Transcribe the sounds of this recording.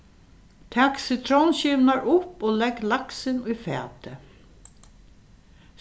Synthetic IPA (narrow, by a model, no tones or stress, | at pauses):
t̪ʰaksɪt̪ʰɾɔnɕɪʋnaɹʊpoːlɛɡlaksɪnʊjfɛ̰ːt̪ə